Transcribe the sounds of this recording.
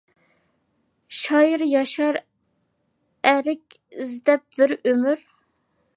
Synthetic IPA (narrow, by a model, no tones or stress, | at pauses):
ʃɑːjiɾjɑʃɑɾ | æɾɪkʲ | zd̪ɛp̚bɪɾømyɾ